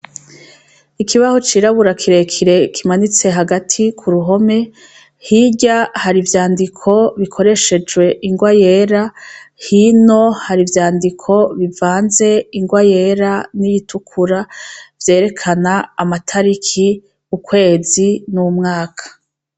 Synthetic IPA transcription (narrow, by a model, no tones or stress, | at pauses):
ikʰiβaho̞t͡ʃiːɾaβuɾakʰiɾe̞kʰiɾe̞kʰimanit͡se̞ɦaɡatʰikʰuɾuɦo̞me̞ | hiɟahaɾivjaːndikʰo̞βikʰo̞ɾe̞ʃe̞d͡ʒwe̞ʔiŋɡwaje̞ːɾahino̞haɾivjaːndikʰo̞βivaːnze̞iŋɡwaje̞ɾanijitʰukʰuɾavje̞ːɾe̞kʰanaːmatʰaɾikʰi | kukwe̞ːzinumŋaːkʰḁ